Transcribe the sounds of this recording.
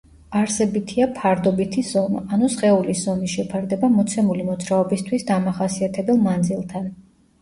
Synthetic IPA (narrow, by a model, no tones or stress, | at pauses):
aɾsɛbit̪ʰiapʰaɾd̪ɔbit̪ʰiz̥ɔmaanusχɛulizɔmiʃɛpʰaɾd̪ɛbamɔt̪sʰɛmulimɔd̪zɾaɔbist̪ʰwisd̪amaχasiat̪ʰɛbɛlˠmand̪zilˠt̪ʰan